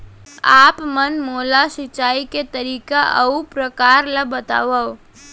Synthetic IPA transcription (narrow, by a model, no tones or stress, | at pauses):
aːpmənmoːlaʃɪt͡ʃaːiket̪əɾiːkaʔɐ̰upɾəkaːɾlabət̪a̰ːʋa